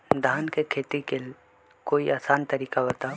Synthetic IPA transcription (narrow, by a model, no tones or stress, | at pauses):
d̪ʱaːnkekʰeːt̪ikɪl | koːiʔaːsaːnt̪ɐɾiːkaɦot̪a